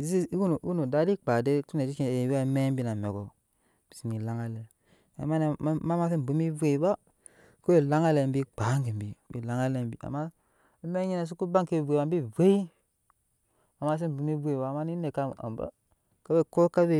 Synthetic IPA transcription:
zi˦u˦n˨˦u˦nu˨da˨˦di˦k͡pa˨de˦tu˦ne˨d͡ʒi˦t͡ʃi˦˨wa˦me˦mbi˦na˨mḛ˨ɡo˨ | b̥i̥˨si˨ni˨la˦ŋa˦le˨ | a̰˨ma˦n˨˦ma˦ma˦si˦m˨bu˨mi˦vu˦e˨ba˦ | ko˦e˦˨la˦ŋa˦le˨˦bi˦k͡pa˨˦ŋɡi˨m˨bi˨bḭ˨la˦ŋa˦le˨m˦bḭ˨a̰˨ma˦ | me˦ɲi˦na˨s̬u˦ku˦ba˦ŋke˦˨vʷe˨ba˨˦bi˦ve˦i˦ | a˨ma˦s̬i˦m˨bu˨mi˦vu˦e˨ba˨ma˦ni˦ne˨ka˦˨a̰˨m˨ba̰˦ | ka˦be˦ko˦ka˦be˦

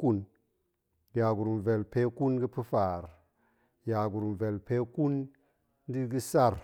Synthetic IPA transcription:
ku˦n | ja˨ɡu˨ɾu˨mve˨lpe˦ku˦nɡi˦pi˦fa˨ɾ | ja˨ɡu˨ɾu˨mve˨lpe˦ku˦n˦ | di˦ɡi˦sa˦˨ɾ

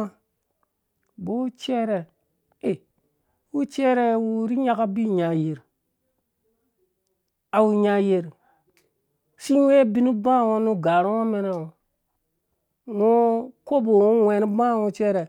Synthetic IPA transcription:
a˦ | bo˦t͡ʃe˦ɾe˨ | e˨ | wu˦t͡ʃe˦ɾe˦wu˦ɾi˦ɲa˦ka˦bi˦˨ɲa˨je˨ɾ | a˨wu˨ɲa˨je˨ɾ | si˦we˦bi˦ni˦bã˦˨wo˦nu˦ɡa˨ɾwo˦me˦ne˨o˨ | ŋo˦ko˦bo˨wu˦wʷe˨ni˦bã˦˨wo˦t͡ʃe˦ɾe˨

